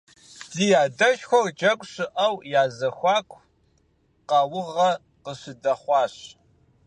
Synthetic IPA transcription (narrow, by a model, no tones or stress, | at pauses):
zijaːdɐʃxʷɔrd͡ʒɐkʷʼɕɪʔɐwjaːzɐxʷɑːkʷʰ | qɐwʊʁɐ | qəɕɪdɐχʷɑːɕ